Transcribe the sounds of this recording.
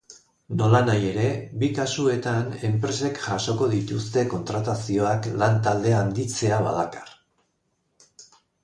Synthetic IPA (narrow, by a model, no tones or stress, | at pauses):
no̞lanaje̞ɾe̞bikasue̞t̪ane̞mpɾe̞se̞kʝaso̞ko̞ðit̪ust̪e̞ko̞nt̪ɾat̪asio̞aklant̪ald̪e̞aːnd̪it͡se̞aβa̰ðakḁr